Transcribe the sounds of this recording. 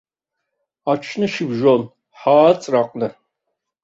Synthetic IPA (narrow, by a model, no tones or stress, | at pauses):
at͡ʃʰnɨʃɪbʒon | ħaːt͡sʼraq̚ʷʼnɨ